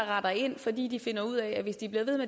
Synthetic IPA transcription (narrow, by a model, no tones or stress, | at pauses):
ʁɑ̈d̥ɐe̝n̰fɒ̽d̥ḭːd̥ife̝nɐuð̞̰ˠɛæʋe̝sd̥ib̥le̝ːɐe̝ð̞̩ˠme